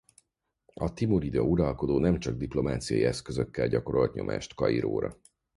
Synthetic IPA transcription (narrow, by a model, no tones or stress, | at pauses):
ɒt̪imuɾid̪ɒuɾɒlko̞d̪oːnɛmt͡ʃɒɡ̚d̪iplo̞maːt̪sijɒ̰jiɛskøzøkːɛlɟɒko̞ɾo̞lt̪ɲʔo̞̰mʔa̰ːʃt̪kɒiɾo̰ːɾɒ̰